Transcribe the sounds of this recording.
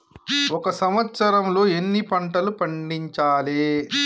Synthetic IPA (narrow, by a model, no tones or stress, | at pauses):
ɔkɐsɐmɐt̪sɐɾɐmlo̞ːenːipɐɳʈɐlupɐɳɖiɲt͡ʃaːleː